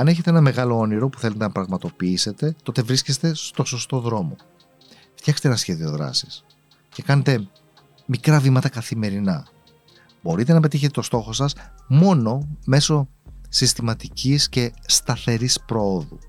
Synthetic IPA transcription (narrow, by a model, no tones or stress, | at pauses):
ɐne̞çe̞t̪eenɐme̞ɣɐloo̞niɾo̞pu̥θelet̪enɐpɾɐɣmɐt̪o̞piise̞t̪e̞t̪o̞t̪e̞vɾiscest̪e̞st̪o̞so̞st̪o̞ðɾo̞mo̞ | ft̪çɐxkset̪eenɐsçe̞ðio̞ðɾɐ̰si̥s | ce̞kɐne̞t̪e̞ | mikɾɐvimɐt̪ɐkɐθime̞ɾinɐ | bo̞ɾit̪e̞nɐpe̞t̪içet̪et̪o̞st̪o̞xo̞sɐsmo̞no̞me̞so̞sist̪imɐt̪icʰisce̞st̪ɐθe̞ɾispɾo̞oðu